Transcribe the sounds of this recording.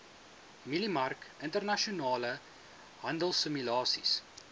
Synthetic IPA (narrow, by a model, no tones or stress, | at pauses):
milimɐrkəntərnɐʃiunɑːlə | ɦɐndəlˠsəmylɑːsḭs